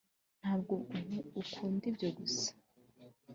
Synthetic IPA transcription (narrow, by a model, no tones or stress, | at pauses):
n̥haːb̚ɡoumuːkʰuːndibɟo̞ɡusḁ